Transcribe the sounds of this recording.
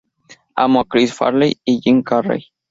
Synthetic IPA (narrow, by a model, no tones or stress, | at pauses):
a̰moakɾisfa̰ɾlejijiŋkarḛj